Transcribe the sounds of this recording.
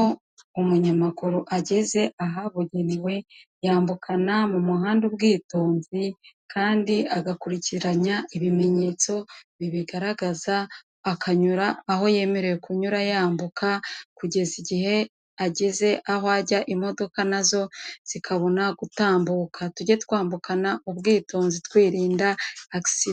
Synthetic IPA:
o | umuɲamakuɾuʔaɟe̞ze̞ʔaɦaβuɟeniwe̞jaːmbukʰanamumuɦaːndubɡiːtoːnzikʰaːndiaɡakuɾiciɾaɲaiβime̞ɲe̞ːt͡so̞βiβiɡaɾaɡazaː | kʰaɲuɾaːho̞je̞ːme̞ɾe̞jekuɲuɾajaːmbukakuɟe̞ziɟihe̞ | aɟeze̞ʔahoaɟaʔimo̞do̞kanazo̞z̥ikʰaβo̞naɡutaːmbuːkʰatuɟetkwaːmbukʰanaʔuβɡiːto̞ːnzitkwiːɾiːndaaki̥si

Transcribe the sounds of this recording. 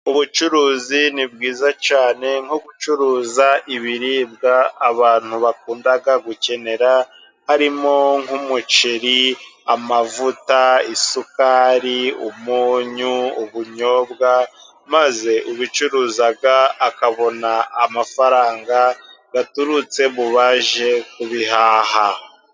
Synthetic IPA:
uβut͡ʃuɾuːzinib̚ɡiːzat͡ʃaːne̞ŋ̥hoɡut͡ʃuɾuːzaʔiβiɾiːb̚ɡaːβaːn̥huβakuːndaɡaɡuce̞ne̞ɾa | haɾimo̞ŋ̥humut͡ʃeɾiamavutaisukaɾiumuːɲuuβuɲo̞ːbɡa | maze̞ʔuβit͡ʃuɾuːzaɡaːkaβo̞naːmafaɾaːŋɡaɡatuɾut͡se̞βuβaʒe̞kuβiɦaːha

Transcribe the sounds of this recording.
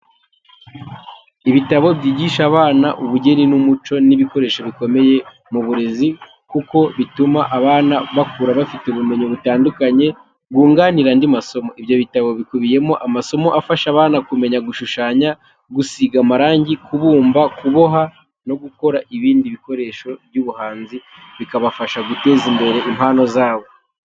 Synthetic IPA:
iβitaβo̞bɟiːɟiʃaβaːna̰ʔuβuɟe̞ɾinumut͡ʃo̞niβiko̞ɾe̞ːʃo̞βiko̞me̞je̞ | muβuɾe̞zi | kuko̞βitumaʔaβaːnaβakuːɾaβafiteuβume̞ɲoβutaːndukaɲe̞ | ɡuːŋɡaniɾandimaso̞mo̞iβjo̞βitaβo̞βikuβije̞mo̞ʔamaso̞mo̞ʔafaʃaβaːnakume̞ɲaɡuʃuʃaːɲa | ɡusiɡamaɾaːɲɟikuβuːmbakuβo̞ɦa | no̞ɡuko̞ɾaʔiβiːndiβiko̞ɾe̞ʃo̞bɟuβuhaːnzi | βikaβafaʃaɡute̞ːzimbe̞ɾe̞ʔimhaːno̞zaːβo̞

